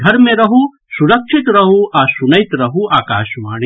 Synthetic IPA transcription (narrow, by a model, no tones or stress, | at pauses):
ɡʱɐɾmẽɾɐɦu | suɾɐkʃʰɪt̪ɾɐɦuʔaːsʊnɐjt̪ɾɐɦuaːka̰ːʃmaːɽ